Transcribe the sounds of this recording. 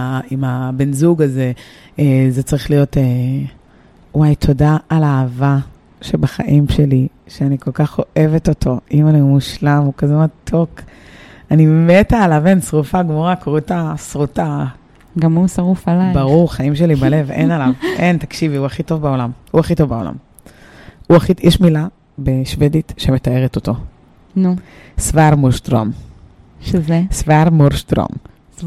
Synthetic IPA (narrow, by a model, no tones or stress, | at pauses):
aimabenzuɡaze̞ | ezet͡saʁiχlijo̞te | uwajtʰo̞daalaːva | ʃebaχa̰ʔimʃe̞li | ʃeaniko̞lkaχo̞ʔe̞veto̞tʰo̞imanimuʃlamukazematʰo̞k | animmetaːlavensʁufaɡmoʁakʁutasʁuta | ɡamusaʁufalajbaʁuʁχaimʃelibale̞venalavʔent̪akʃiviuaχito̞vbao̞lamuaχito̞vbao̞la̰m | uaχijʔɛʃmila | beʃved̪it̪ʃeme̞t̪ae̞ʁet̪ot̪o̞ | nu | svaɾmolʃt̪ʁo̰m | ʃezesvaɾmoɾʃt̪ʁo̰m